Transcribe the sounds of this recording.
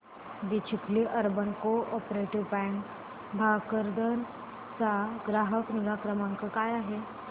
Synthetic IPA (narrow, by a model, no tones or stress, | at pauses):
ʋit͡ʃʰikliʔəɾbənkoʔɔpɾeʈiʋpɛ̃ɳk | bʱakəɾd̪ən | t͡saɡɾaɦəkniɾakɾəmãŋkəkajaɦe